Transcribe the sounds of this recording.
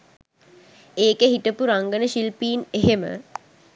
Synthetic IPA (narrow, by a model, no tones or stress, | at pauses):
eːkeɦiʈəpuɾaŋɡənəʃilpiːneɦemə̰